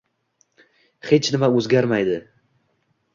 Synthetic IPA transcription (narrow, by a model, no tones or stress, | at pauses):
het͡ʃʰnɪmaɵzɡʲaɾmajd̪ɪ